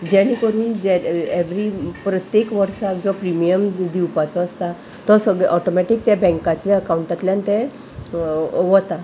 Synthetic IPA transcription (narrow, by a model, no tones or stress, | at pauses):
d͡ʑɛɽ̃ikəɾuːnd͡ʑeeʋ̤ɾipɾət̪jekʋəɾsakd͡zɔpɾimijəmd̪iwpat͡sɔəst̪a | t̪ɔsəɡɭɛʔɔʈomɛʈik̚t̪jabɛ̃ŋkat̪ljaəkauɳʈat̪ljãnt̪ɛ̃ | ʋɔt̪a